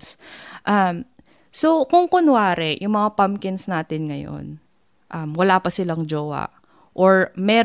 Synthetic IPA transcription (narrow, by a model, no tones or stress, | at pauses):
sʔɐm | sokʊŋkʊnwaːɾɛjʔʊŋmɐŋapamkɪnsnaːt̪ɪnŋɐjo̰n | ʔɐmwɐlaːpɐsɪlaŋd͡ʒoːwɐ̰ʔ | ʔoɹmɛː